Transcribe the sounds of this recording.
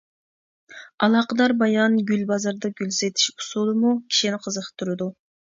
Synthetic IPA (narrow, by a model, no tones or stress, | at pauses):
ɑlˠɑːqəd̪ɑɾbɑjɑnɡʲylʲbɑzɑɾd̪ɑɡʲylʲset̪ʰi̥ʃu̥sulˠɨmukʲʰi̥ʃinɪqʰəzəqʰt̪ʰuɾɨd̪u